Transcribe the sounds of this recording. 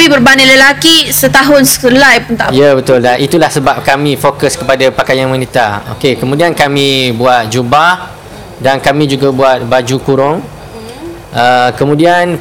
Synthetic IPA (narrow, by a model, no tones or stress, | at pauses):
ibərbaniləlakisət̪aɦʊnsə̥kəlajpunt̪ajabət̪ʊlaʔit̪ulahsəbap̚kamĩfokəskəpadapakajanmãnit̪a̰o̰kekəmũdiankamĩbuat̪̚d͡ʒubah | dankamĩd͡ʒuɡabuat̪̚bad͡ʒukuɾʊŋ | ʔəkəmũdian